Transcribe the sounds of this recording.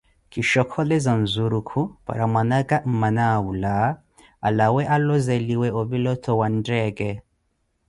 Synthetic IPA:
kiʃɔkʰɔlɛzan̩zuɾukʰupa̰ɾamwanaɡam̩manawula | a̰lawɛʔalɔzɛliwɛɔβilɔtʰɔwandɛɡɛ

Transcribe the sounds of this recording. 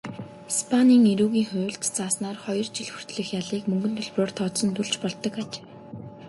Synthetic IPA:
i̥spʰaniːŋeɾuːɣiːŋxʊːɮt̪t͡saːsnaːrχɔjɞ̆rt͡ɕiɮxu̥r̥t̪ɮɘ̆xjaɮiːkmɵŋɡɵ̆nt̪ʰɵɮprʊːr̥t̪ʰɔt̪sɞ̆nt̪uɮt͡ɕpɔɮt̪ɞ̆kat͡ɕ

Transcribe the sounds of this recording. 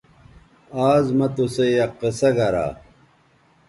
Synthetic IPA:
aːzmɐt̪osejɐqːesɐɡɐɾa̰ː

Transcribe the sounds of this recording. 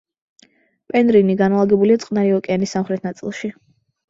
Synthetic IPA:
pʼɛnɾiniɡanalˠaɡɛbuliat̪sʼqʼnaɾiɔkʼɛanisːamχɾɛt̪ʰnat̪sʼḭlˠʃi

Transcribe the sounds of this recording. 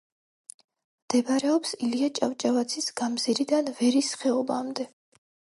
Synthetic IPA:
md̪̥ɛbɾɛɔpsiliat͡ʃʼavt͡ʃʼavat̪sʰisɡ̥amziɾid̪anvɛɾisχɛɔba̰md̪ɛ

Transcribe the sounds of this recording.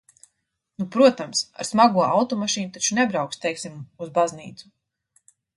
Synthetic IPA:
nupɾuɔt̪amsa̰ɾsmaɡuɔawt̪ɔmaʃiːnut̪at͡ʃunɛbɾawkst̪ɛjksimuzbazniːt̪su̥

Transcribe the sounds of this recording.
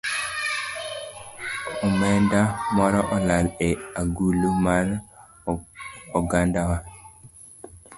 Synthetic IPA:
ɔmɛndamɔɾɔʔɔlaleaɡulumaɾ | ɔɡandawa

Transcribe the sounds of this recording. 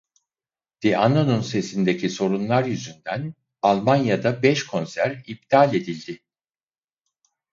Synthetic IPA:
d̪̥eʔanonunse̞sind̪e̞cʰiso̞ɾunlˠaɾjyzynd̪æn | alˠmanjad̪abɛʃkʰo̞nsæɾib̚t̪ʰalʲe̞d̪ilʲd̪ɪ

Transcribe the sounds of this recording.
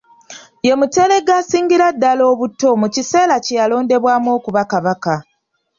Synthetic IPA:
je̞mute̞ːle̞ɡːaːsiːɲɡiɾadːalo̞ːβutːo̞mucise̞ːlacjalo̞ːnde̞βwaːmwo̞ːkuβakaβaka

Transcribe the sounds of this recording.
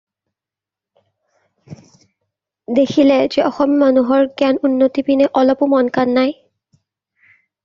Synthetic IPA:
d̪ekʰilɛd͡ʒɛɔxɔmimanuɦɔɹɡanunːotipinɛʔɔlɔpʊmɔnkanːaj

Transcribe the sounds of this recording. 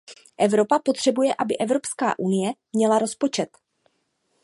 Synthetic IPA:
ʔɛvɾo̞papo̞t̪r̝̥ɛbujɛʔabɪʔɛvɾo̞pska̰ːʔunɪjɛmɲɛlaɾo̞spo̞t͡ʃɛt̪

